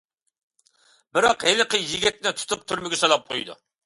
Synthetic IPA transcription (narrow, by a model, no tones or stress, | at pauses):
bɪɾɑqhelɨqəjiɡʲɛt̪̚nɪt̪ʰu̥t̪ʰup̚t̪ʰyɾmɪɡʲɪsɑlˠɑp̚qʰo̰jd̪ṵ